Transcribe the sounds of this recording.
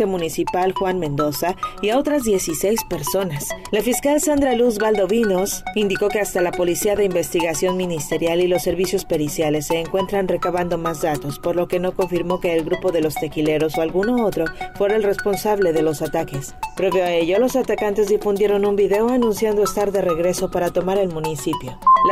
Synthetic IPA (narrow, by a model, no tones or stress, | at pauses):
emũnisipalxwanmẽ̞nd̪o̞saiao̞t̪ɾazðje̞sise̞jspe̞ɾso̞naslafiskalsand̪ɾaluzβald̪o̞βino̞sind̪iko̞keast̪alapo̞lisiaðe̞imbe̞st̪iɣasjo̞nmĩnist̪e̞ɾjalilo̞sːe̞ɾβisjo̞spe̞ɾisjale̞sːe̞ːŋkwe̞nt̪ɾanre̞kaβand̪o̞mazðat̪o̞spo̞ɾlo̞ke̞no̞ko̞ɱfiɾmo̞ke̞ːlɣɾupo̞ðe̞lo̞st̪e̞kile̞ɾo̞soalɣuno̞o̞t̪ɾo̞fwe̞ɾaelre̞spo̞nsaβle̞ðe̞lo̞sat̪ake̞spɾe̞βjoae̞ʝo̞lo̞sat̪akant̪e̞zðifund̪je̞ɾo̞numbiðe̞oanũnsjand̪o̞e̞st̪aɾðe̞re̞ɣɾe̞so̞paɾat̪o̞maɾe̞lmũnisipjo̞l